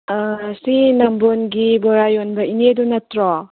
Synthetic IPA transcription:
sinambonɡibɔɾajonbɐinedunɐtɾɔ

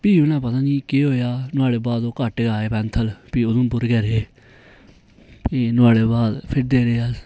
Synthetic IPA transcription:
piːʊnãːpət̪ãːniːkeːɦoːjaːnʊaːɽeːbaːd̪oːkəʈːɡaːeːpɛ̃ːnt̪ʰəlpiːʊd̪õːpʊɾɡɛːɾeː | inʊaːɽeːbaːd̪pʰɪɾd̪eːɾeːa

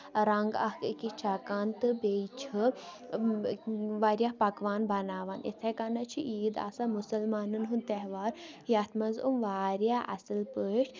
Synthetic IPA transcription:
ɾɐŋɡɐ̰hkɨkit͡ʃʰakaːnt̪ɨbeːt͡ʃʰɨ | ʋaːɾjahpɐkʋaːnbɐnaːʋaːnḭt̪ʰɐkɐnɐt͡ʃʰiʔiːd̪a̰samusɐlmaːnɨnɦunt̪ɛɦʋaːɾ | jɐt̪ʰmɐzumʋaːɾjaːʔɐ̰sɨlpəːʃʰ

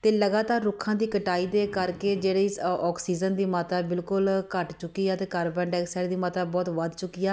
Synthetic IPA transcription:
t̪eːləɡaːt̪aːɾːʊkʰãːd̪iːkəʈaːiːd̪eːkəɾkeːd͡ʒeːɽiːɪɔːksiːd͡ʒənd̪iːmaːt̪aːbɪlkʊlkəʈt͡ʃʊkːiːaːt̪eːkəɾbəɳɖɛːksɛːɽd̪iːmat̪aːbɔːt̪ʋəd̪t͡ʃʊkːijaː

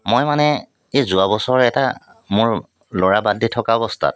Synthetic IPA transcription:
mojmanɛ | ezʊabɔsɔɹɛɛta | mʊɹ | lɔɹabaditʰɔkaɔbɔstʰa̰t̚

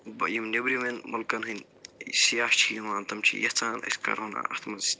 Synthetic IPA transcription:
bɐjimnʲebɾimenmɐlkɐnɦɐn | sijaːʃt͡ʃʰijɐmaːnt̪ɐmt͡ʃʰḭjɐht͡saːnʔɐ̰sʲkɐ̰ɾɦɐna̰ʔɐht̪ʰmɐzit̪

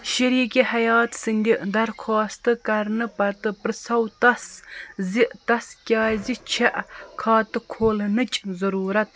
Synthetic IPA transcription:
ʃɐɾiːkʲihɐjɑːt̪sɨnʲd̪ʲiʔd̪ɐɾxʰɑːst̪ɨkɐɾnɨpɐt̪ɨpɾɨsɐwt̪ɐsziʔt̪ɐskʲɑːzit͡ʃʰeʔkʰɑːt̪ɨkʰoːlnɨt͡ʃʲʼzɐɾuːɾɐt̪̚

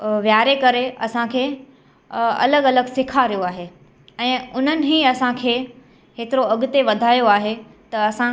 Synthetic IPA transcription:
ʋjaːɾekɐɾeɐsãkʰeː | ɐ̰ləɡɐləɡsɪkʰaɾijoaːɦeː | ɛ̃ːʊn̤ənɪ̆ɦiɐsãkʰeː | ɦeːt̪ɪɾoɐɠʊt̪eʋɐd̪ʱaːjoaːɦe | t̪ɐɐsã

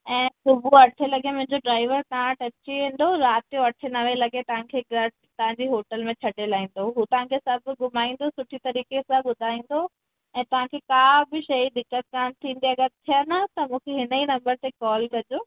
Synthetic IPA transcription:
ɛ̃ːsʊbuɐʈʰelɐɡemʊ̃ɦɪ̃ɲd͡ʑoɖɾaːɪʋəɾt̪ɐãʈɐt͡ɕiẽːn̆d̪oɾaːt̪ijõɐʈʰenɐʋelɐɡet̪ɐʋ̤ãkʰeɡɐ | t̪ɐʋãɲd͡ʑiːɦoːʈəlmẽt͡ɕʰɐʈelaːĩːn̆d̪oɦuːt̪ɐʋ̤ãkʰesɐbʱɡʊmaːĩːn̆d̪osʊʈʰit̪ɐɾiːkesãɓʊd̪ʱaːĩːn̆d̪o | ɛ̃ːt̪ɐʋ̤ãkʰekaːbɪʃɐid̪ɪkːət̪̚kaːnt̪ʰĩːn̆d̪iɐɡəɾt̪ʰijənət̪ɐmũːkʰeɦɪnəinɐ̃mbəɾt̪ekɔːlkɐd͡ʑoː

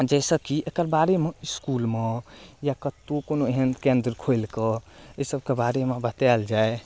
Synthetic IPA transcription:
d͡ʒɛɪsəkiʔekəɾbaɾemeiskulmejakət̪okonoeɦənkẽnd̪ɾkʰojlkəəsəb̚ʱkebaɾemebət̪ɛld͡ʒae

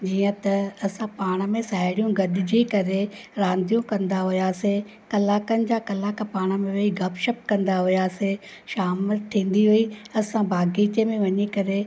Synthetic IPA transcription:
d͡ʑiːə̃t̪ɐɐsãpaːɽ̃mẽsaːɪɽijũɡɐɗɪd͡ʑiːkɐɾeɾãːnd̪ʱijũkɐ̃nd̪aɦʊjaːse | kɐlaːkənɪ̆d͡ʑaːkɐlaːkpaːɽ̃əmẽʋeiɡʱɐpʃəp̚kɐ̃nd̪aɦʊjaːseʃaːmʈʰĩːn̆d̪iɦʊiɐsãbʱaːɡiːt͡ɕemẽʋɐɲikɐɾe

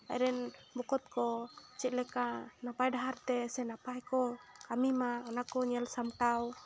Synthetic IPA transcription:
a̰jɾɛnbɔkɔt̪̚kɔt͡ʃɛʔ̪̚lɛkanapajdaɦart̪ɛsɛnapajkɔkamimaɔnakɔɲalsamʈ̪aw

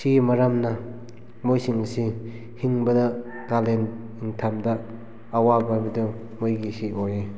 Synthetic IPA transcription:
simɐɾamnɐ | mojsiŋsi | hiŋbɐdɐ | kalen | iŋtʰamdɐː | wababidɔ | mojɡisioje

